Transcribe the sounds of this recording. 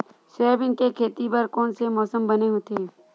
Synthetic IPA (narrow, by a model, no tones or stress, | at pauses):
sɛːbɪnkekʰeːt̪ipɐɾkɔːnsemɔːsəmbɐneɦoːt̪eː